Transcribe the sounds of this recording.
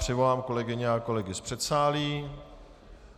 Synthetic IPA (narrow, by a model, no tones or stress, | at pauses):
pr̝̥ɪvo̞laːmkolɛɡɪɲɛako̞lɛɡɪspr̥ɛt̪saːliː